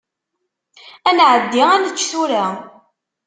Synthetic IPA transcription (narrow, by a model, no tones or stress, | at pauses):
ænʕəd̪ːiænət͡ʃːθuɾa